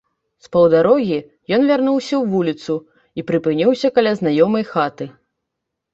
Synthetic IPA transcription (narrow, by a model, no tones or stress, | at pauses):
spɐwd̪aɾɔɣʲi | jɔnvʲarnuwsʲɐwvulʲit̪su | ipɾɨpɨnʲiwsʲɐkɐlʲaznajɔmɐjxat̪ɨ